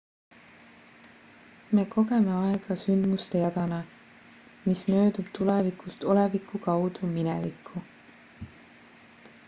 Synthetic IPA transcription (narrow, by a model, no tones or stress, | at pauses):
me̞ːkʰo̞ɡe̞me̞ɑeɡ̥ɑsynd̪must̪e̞jɑd̪̥ɑnɑ | mismø̞ːd̪ub̥̚t̪ulevikust̪o̞levikːˑukɑwd̪̥uminɛ̰vikʰːˑu